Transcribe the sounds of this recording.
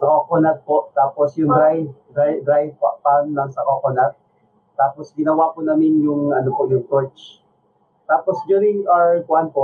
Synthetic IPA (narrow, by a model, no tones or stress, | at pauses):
sɐkokonat̪̚poʔt̪aːposjʊŋd̪ɾajd̪ɾajd̪ɾajpa̰ʔpanːɐŋsɐkokonat̪̚ | t̪aːposɡɪnɐwapʊnaːmɪnjʊŋɐnopoʔjʊŋt̪ot͡ʃ | t̪aːposd͡ʒʊɾɪŋakʊʔanpoʔ